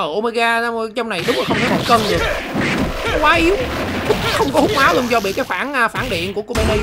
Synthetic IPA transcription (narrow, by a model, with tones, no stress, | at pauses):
ə̰ː˧˨˩məː˧jɣaː˧t͡ɕɔ˧wŋ͡mna˨˩jɗʊ˨˦ŋ͡mlə˨˩xə˧ŋ͡mt̪ʰə˨˦mo̰˨˩kə˧nɗɨ˨˩ək̚ | kwaː˨˦ʔi˨˦əw | xə˧wŋ͡mkɔ˧˦ʊ˨˦waː˨˦lu˧ənzɔ˧ɓḭ˧˨kaː˨˦faː˧˩nʔːfaː˧˩nɗḭ˧˨ənku˧˩əko˧me˧li˧